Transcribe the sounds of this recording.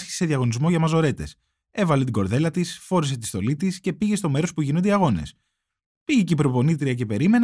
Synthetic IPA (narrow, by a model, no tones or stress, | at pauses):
sçi̥se̥se̞ðjɐɣo̞nizmo̞ʝɐmɐzo̞ɾe̞t̪e̞s | e̞vɐlet̪iɡo̞ɾðe̞lɐt̪isfo̞ɾis̬et̪ist̪o̞lit̪isce̞piʝest̪o̞me̞ɾo̞spuʝinond̪iɐɣo̞ne̞̰s | piʝecipɾo̞po̞nit̪ɾiɐce̞pe̞ɾime̞n